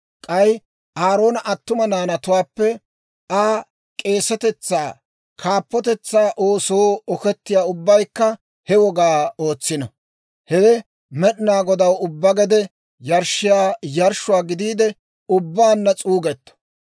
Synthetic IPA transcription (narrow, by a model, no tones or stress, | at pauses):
kʼɐj | ʔaːɾo̞ːnɐʔɐt̪ːʊmɐnaːnɐt̪ʊwaːpːɛ | aː | kʼe̞ːsɛt̪ɛt͡sːaː | kʰaːpːɔt̪ɛt͡sːaːʔoːsoːɔkɛt̪ːɪjaːʊbːɐjkːɐ | hɛwɔɡaːoːt͡sːɪnɐ | hɛɡɛ | mɛɗnaːɡɔd̪ɐwʊbːɐɡɛd̪ɛ | jɐɾʃɪjaːjɐɾʃʊwaːɡɪd̪iːd̪ɛ | ʊbːaːnːɐt͡sʼuːɡɛt̪ːɔ̥